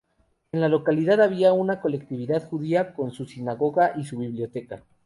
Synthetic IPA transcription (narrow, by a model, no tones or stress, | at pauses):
e̞nlalo̞kaliðaðaβiaunako̞le̞k̚t̪iβiðaðxuðiako̞nsusinaɣo̞ɣaʔisuβiβljo̞t̪e̞ka